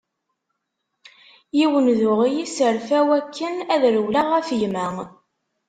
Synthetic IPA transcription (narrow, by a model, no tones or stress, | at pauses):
jiwənðʊʁijisəɾfæwækʰːənæðɾəwlaʁæfjmæ